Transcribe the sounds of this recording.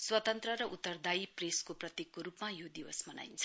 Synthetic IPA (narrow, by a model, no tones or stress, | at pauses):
swʌt̪ʌnt̪rʌɾʌʔut̪ːʌrd̪ajpreskoprʌt̪jekːoɾupmajod̪iwʌsmʌna̰jnt͡sʰʌ